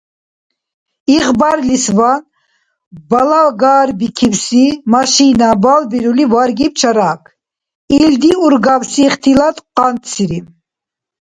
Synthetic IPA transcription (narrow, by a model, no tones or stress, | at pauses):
iʁbaɾlisvan | balaɡaɾbikʰivsimaʃinabalbiɾulivaɾɡip̚t͡ʃʰaɾakʰ | ild̪iuɾɡavsiχt̪ʰilat̪qant̪sʰiɾi